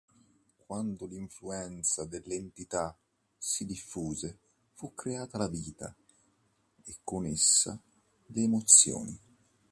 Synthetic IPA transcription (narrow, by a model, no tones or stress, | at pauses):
kwand̪ʊliɱfluɛnt̪sad̪elːent̪it̪a | sid̪ifːuːze | fukːɾeaːt̪alaviːt̪a̰ | ekːʊnesːa̰ | leːmot̪sːjɔ̰ːni